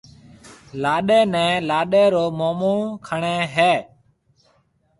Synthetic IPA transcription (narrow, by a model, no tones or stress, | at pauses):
laːɗeːnɛ̃ːlaːɗeːɾoːmoːmuːkʰəɳẽːɦeː